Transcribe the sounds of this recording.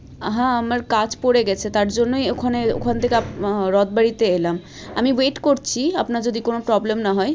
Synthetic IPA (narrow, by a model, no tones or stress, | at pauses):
ɦãamaɾkat͡ɕpoɽeɡɛt͡ɕʰet̪aɾd͡ʑonːojokʰaneo̰kʰant̪ʰekeaɾɔd̪̚baɽit̪eelam | amiweʈkoɾt͡ɕʰiapnaɾd͡ʑod̪ikonopɾɔblemnaɦɔe